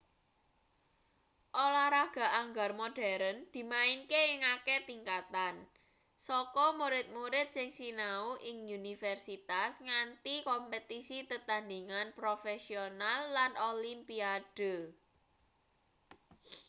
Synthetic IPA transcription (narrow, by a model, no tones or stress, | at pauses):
ʔolaɾaɡ̥a̤ʔaŋɡarmoɖ̥aɾənd̪̥i̤maɪnkeɪŋaket̪iŋkat̪an | sɔkɔmuɾɪt̪̚muɾɪt̪̚sɪŋsinauʔɪŋunifɛrsit̪asŋant̪ikɔmpət̪isit̪ət̪and̪iŋanpɾofɛsionalːanʔolimpiad̥ə̤